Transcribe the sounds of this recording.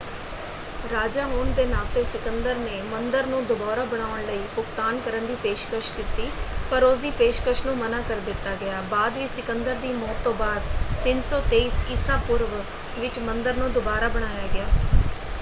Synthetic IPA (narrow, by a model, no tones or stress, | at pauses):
ɾaːd͡ʒaːɦoːnd̪eːnaːlt̪eːsɪkənd̪əɾneːmənd̪əɾnũːd̪ʊbaːɾaːbəɽ̃aːʋəɳləiːpʊkt̪aːnkəɾənd̪iːpeːʃkəʃkit̪iːpəɾosd̪iːpeːʃkəʃnũːmənaːkəɾd̪ɪt̪ːaːɡɪaːbaːd̪ʋiːsɪkənd̪əɾd̪iːmɔːt̪ːõːbaːd̪t̪ɪnsɔːt̪eːiːskisãːpʊɾʋ | ʋɪt͡ʃmənd̪əɾnũːd̪ʊbaːɾaːbəɽ̃aːjaːɡɪaː